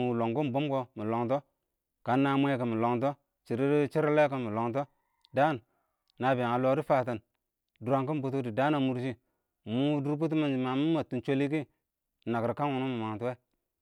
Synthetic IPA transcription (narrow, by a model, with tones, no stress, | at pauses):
lo˨ŋɡu˦m˨bo˦mɡo˦mu˨lo˨ŋto˦ | ka˨nːa˨mʷ˦e˦ka˨mu˨lo˨ŋt̬o˦ | t͡ʃi˨ɾi˦ɾi˦t͡ʃi˦ɾle˦ka˨˦mu˨lo˨ŋt̬o˦ | da˦n˨ | na˨ba˨ŋa˨lo˨˦ɾi˦fa˨ta˨n | du˨ɾa˦ŋku˦m˨bu˦t̬u˦di˨da˦na˨mu˨ɾʃi˦˨ | mu˦du˦ɾp̬u˦t̬ma˨nd͡ʒi˨ma˨mu˦ma˨tu˨nt͡ʃo˦li˦ki˦˨ | na˨kɾka˦nwu˨nu˦mu˨ma˨ŋ˨tu˦we˦